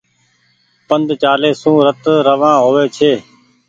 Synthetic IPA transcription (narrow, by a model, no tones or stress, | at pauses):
pənd̪t͡ʃaːleːsũːɾət̪ɾəʋãːɦoːʋeːt͡ʃʰeː